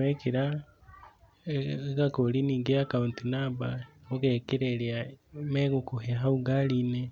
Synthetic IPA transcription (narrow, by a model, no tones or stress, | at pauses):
ekiɾa | kakoliniːŋɡeakauntinabaokekeɾeɾiameɣukuɦeɦauɡaline